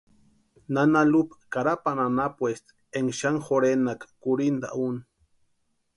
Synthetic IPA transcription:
nanalupḁkaɾapananapwest̪ | eŋʃaŋxoɾenakḁkuɾind̪a̰ʔun

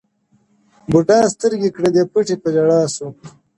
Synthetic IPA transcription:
buɖɑːst̪əɾɡikɽed̪epuʈipɐd͡ʒɐɽaːsu

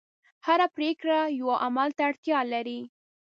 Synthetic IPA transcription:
haɾapɾekɽajawaʔamalt̪aɽt̪jɑlaɾi

